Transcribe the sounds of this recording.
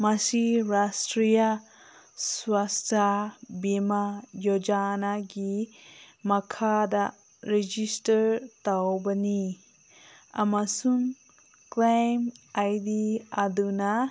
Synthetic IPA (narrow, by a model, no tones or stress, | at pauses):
masiɾastɾija | swastʰabimajɔd͡ʒanaɡi | makʰada | ɾed͡ʒistɐɾtawbɐni | a̰masuŋ | klajmajdiaduna